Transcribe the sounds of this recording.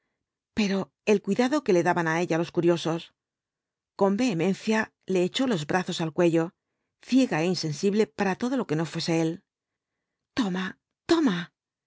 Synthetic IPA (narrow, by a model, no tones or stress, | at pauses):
pe̞ɾo̞ | e̞lkwiðaðo̞ke̞le̞ðaβanae̞ʎalo̞skuɾjo̞so̞s | ko̞mbe̞ːmẽ̞nθja | le̞ːt͡ʃo̞lo̞zbɾʔaθo̞salkwe̞ʝo̞ | θje̞ɣae̞inse̞nsiβle̞paɾat̪o̞ð̞o̞lo̞ke̞no̞fwe̞se̞e̞l | t̪o̞ma | t̪o̞ma